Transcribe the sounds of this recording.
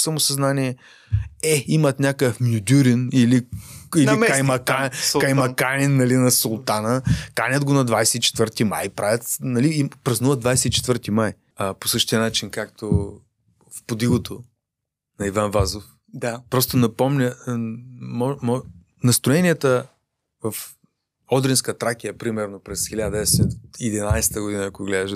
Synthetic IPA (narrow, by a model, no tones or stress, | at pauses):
sɐmʊsɐznaniɛ | ɛimɐt̪nʲakəfmjud̪ʲuɾiniliilikɐjmɐkakɐjmɐkanʲinːɐlinɐsolˠt̪anəkanʲəd̪ɡonɐd̪vajsɛit͡ʃɛ̥t̪vəɾt̪ima̰jpɾavʲɐt̪nɐlipɾɐznuvəd̪vajsɛit͡ʃɛ̥t̪vəɾt̪imaj | əposɤʃt̪iənat͡ʃinkakt̪ʰo | fpod̪iɡot̪ʰo | nɐivanvazof | d̪pɾɔst̪onɐpɔmnʲə | mɔmɔ | nɐst̪ɾoɛnʲiɛt̪ə | vɐf | ɔd̪ɾinskət̪ɾakʲijɐpɾimɛɾnopɾɛsxilʲad̪ɐɛsɛid̪inajsɛ̥t̪əɡod̪inɐːkoɡlɛd̪ɐʃ